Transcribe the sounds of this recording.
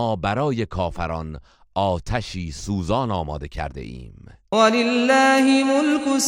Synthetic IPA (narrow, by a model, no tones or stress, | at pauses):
ɒːbæɾɒːje̞kʰɒːfæɾɒn | ɒːt̪ʰæʃiːsuːzɒːnɒːmɒːd̪e̞cʰæ̰ɾd̪e̞̰ʔḭːm | walɪlːaːhɪmolkʊs